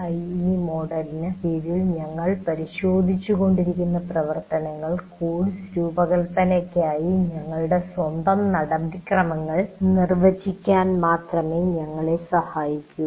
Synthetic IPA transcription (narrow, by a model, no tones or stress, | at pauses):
ɐjnimo̞ːɖɐɾinɐʋiːɾilɲɐŋːɐɭpɐɾiɕo̞ːd̪ʱit͡ɕːuɣo̞ɳɖiɾikʲːunːɐprɐʋɐrt̪ɐnɐŋːɐɭkuːɽsɾuːbɐɣɐlt̪ɐnekʲːaːjiɲɐŋːɐɭuɽe̞swɐnd̪ɐmnɐɽɐbʱikrɐmɐŋːɐɭnirʋɐt͡ɕːikʲːaːnmaːt̪rɐme̞ɲɐŋːɐɭe̞sɐhaːjikʲːu